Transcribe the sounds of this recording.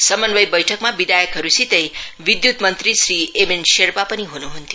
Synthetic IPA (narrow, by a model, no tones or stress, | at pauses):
səmənʋəjbəjʈʰəkmãbid̪ajəkɦəɾusit̪ejʋid̪jut̪mənt̪ɾisɾiemenʃeɾpapəniɦunuɦunt̪ju